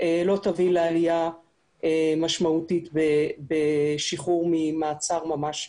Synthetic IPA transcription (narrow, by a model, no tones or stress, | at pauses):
ʔelot̪avilealija | emaʃmautit̪bebeʃiχuʁmimaːt͡saʁmamaʃ